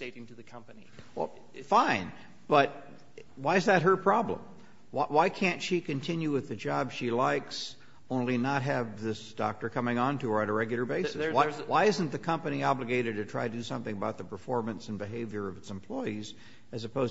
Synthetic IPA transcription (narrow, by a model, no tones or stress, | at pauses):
eɪɾɪ̃ŋtʰɨðɨkʰʌ̃mpɨni | wɛ̰lˠ | fãɪ̃n | b̥ʌt̚ | waɪɨzðɨt̚ɦə˞pʰɹ̥ɑblə̰̃m | wawaɪkʰæ̃ntʃikɨ̃ntʰɪ̃njʉwɨðɨd͡ʒɑbʃilaɪks | õʊ̃nlinət̚ɦɨvðɪsd̥ɑ̰k̚tə˞kʰʌmɪ̃ŋə̃ntɨə˞ɨ̃ɾəɹɛɡjl̩ˠə˞beɪsɨswaɪwaɪɪzɨ̃n̩ðɨkʰʌ̃mpɨniɑblɨɡeɪɾɨd̚tɨtʰɹ̥aɪɾɨdɨsʌ̃mθɪ̃ŋəbaʊt̪̚ðəpʰə˞fɔɹmɨ̃nsɨ̃n̩bɨɦeɪvjə˞ʌvɨtsɨ̃m̩pʰl̥ɔɪiz | ɨzɨpʰoʊz